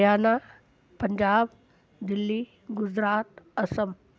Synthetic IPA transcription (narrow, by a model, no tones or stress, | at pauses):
aːna | pəɲd͡ʑaːb | d̪ilːiː | ɡud͡ʑɾaːt̪əsəm